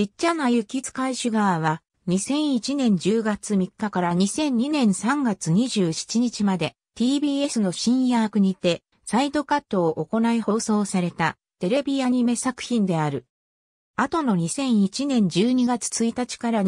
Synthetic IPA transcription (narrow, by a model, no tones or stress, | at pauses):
d͡ʑitːanajɯ̟kʲit͡sɨ̥kaiɕɨɡaβaβ̞a | ɲ̟isẽ̞ɰ̃it͡ɕinẽ̞ɲ̟d͡ʑɨːɡat͡sɨmʲikːakaɾaɲ̟isẽ̞ɲ̟ɲːinẽ̞ɰ̃sãŋɡat͡sɨɲ̟iʑɨːɕi̥t͡ɕiɲ̟it͡ɕimad̪e̞ | t̪ʲiːbʲie̞sɨno̞ɕĩɰ̃jaːkɯ̟ɲ̟it̪e̞ | said̪o̞kat̪ːo̞ːʔoko̞naiho̞ːso̞ːsaɾe̞t̪a | t̪e̞ɾe̞bʲiaɲ̟ime̞sakɯ̟̥çʲĩnd̪e̞aɾɯ̟ | at̪o̞no̞ɲ̟isẽ̞ɰ̃it͡ɕinẽ̞ɲ̟d͡ʑɨːɲ̟iɡat͡sɨ̥t͡sɨit̪at͡ɕi̥kaɾa